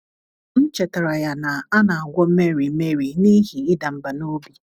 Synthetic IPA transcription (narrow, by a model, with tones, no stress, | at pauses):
n̩˦t͡ʃe˨ta˨ɾa˨ja˨na˨a˦na˨a˨ɡʷɔ˦me˦ɾi˨˦me˦ɾi˨ni˦ɦi˨ɪ˦da˨m̩˨ba˨no˦bi˦